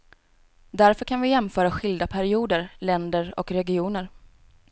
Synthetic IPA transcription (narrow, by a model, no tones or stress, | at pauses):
d̪æɾfœɾkʰanvɪjɛmfœːɾaɧɪld̪apʰæɾɪuːd̪əɾlɛnd̪əɾɔ̰kɾɛɡɪuːnəɾ